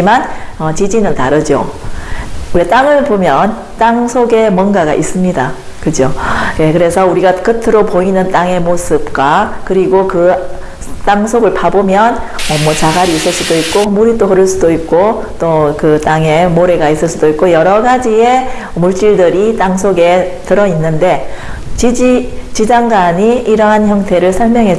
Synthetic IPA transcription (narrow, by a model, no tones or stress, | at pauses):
imanʌt͡ɕid͡ʑinɯntaɾɯd͡ʑjo̰ | uɾet͈aŋɯɭpomjʌn | t͈aŋsʰoɡe̞mʌnɡaɡa̰ʔis͈ɯmɲida | kɯd͡ʑokekɯɾe̞sʰʌuɾiɡakɯtʰɯɾopoinɯnt͈aŋe̞mosʰɯp̚k͈wakɯɾiɡokɯ | t͈aŋsʰoɡɯɭpabomjʌnʌmwʌt͡ɕaɡaɾiːs͈ɯɭs͈udoik̚k͈omuɾit͈oɦɯɾɯɭs͈udoik̚k͈o | t͈okɯt͈aŋe̞moɾe̞ɡais͈ɯɭs͈ud̥oik͈ojʌɾʌɡad͡ʑie̞ | muɭt͡ɕ͈iɭdɯɾit͈aŋsʰoɡe̞tɯɾʌinːɯnde̞ | t͡ɕid͡ʑt͡ɕid͡ʑaŋɡaɲiiɾʌɦançjʌŋtʰe̞ɾɯɭsʰʌɭmjʌŋɦe̞t͡ɕ